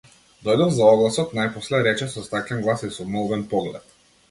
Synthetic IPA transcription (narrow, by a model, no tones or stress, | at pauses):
d̪ɔjd̪ɔmzaɔɡlˠasɔt̪najpɔslɛɾɛt͡ʃɛsɔst̪aklʲɛnɡlˠasisɔmɔlˠvɛnpɔɡlɛ̰t̪̚